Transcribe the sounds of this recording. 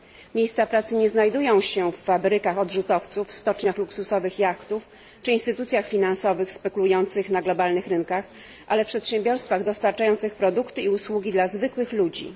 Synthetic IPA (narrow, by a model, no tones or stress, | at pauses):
mʲjejst̪sapɾat̪sɘɲɛznajd̪ujɔ̃w̃ɕɛfːabɾɘkaxɔd̪ʐut̪ɔft̪sufst̪ɔt͡ʂɲaxluksusɔvɘxjakt̪uf | t͡ʂɘinst̪ɘt̪ut̪sʲjaxfʲinansɔvɘxspɛkulujɔnt̪sɘxnaɡlɔbalnɘxɾɘŋkax | ʔalɛfpʂɛt̪ɕɛmbʲjɔɾst̪faɣd̪ɔst̪aɾt͡ʂajɔnt̪sɘxpɾɔd̪ukt̪ɘiuswuɡʲid̪lazvɘkwɘxlud͡ʑḭ